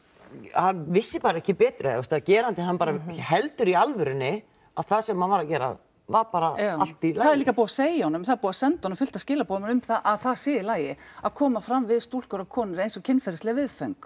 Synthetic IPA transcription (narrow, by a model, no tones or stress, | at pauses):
hanvɪsːɪpaːɾaɛhcɪpɛːt̪ɾʏaœst̪aðcɛːɾant̪ɪɦanpaːɾahɛlt̪ʏɾialvʏɾɪnːɪ | aðθaðsɛmhanvaɾacɛːɾa̰ | vaɾpaːɾaawalt̪ilaaðɛɾliːkapuːwaseːjaɔnːʏmθaðɛɾpuːasɛnt̪ɔnʏmfʏl̥t̪ascɪːlapoːðmʏmθaðʔaðθaðsɪːɪlaːjɪaðkʰɔːmafɾamvɪðst̪ul̥kœɾakʰɔːnɪɾejnsɔcʰɪnːfɛɾast̪lɛvɪðfœŋk